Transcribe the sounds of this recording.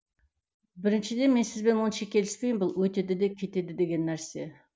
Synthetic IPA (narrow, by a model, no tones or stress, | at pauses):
bɪɾɪnʃɪd̪e̞nme̞nsɪzbe̞nwonəʃɑkʲʰe̞lɪ̥spe̞jɪmbʊlˠwɵt̪e̞d̪ɪd̪ekʲʰe̞t̪e̞d̪ɪd̪e̞ɡʲe̞nːæɾse̞